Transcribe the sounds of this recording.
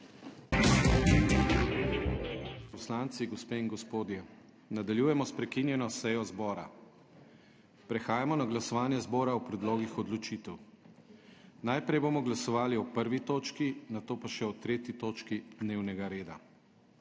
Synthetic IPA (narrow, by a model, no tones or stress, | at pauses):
pɔslant̪siɡɔspeːiŋɡɔspoːd̪jɛ | nad̪aljuːjɛmɔspɾɛkinjɛnɔsɛjɔzbɔːɾa̰ | pɾɛxaːjamɔnaɡlasɔʋaːnjɛzbɔːɾaɔpɾɛd̪loːɡixɔd̪lɔt͡ʃit̪ɛw | najpɾɛjboːmɔɡlasɔʋaːliɔpəɾʋit̪oːt͡ʃkinat̪oːpaʃɛɔt̪ɾeːt̪jit̪oːt͡ʃkid̪neːwnɛɡaɾeːd̪a̰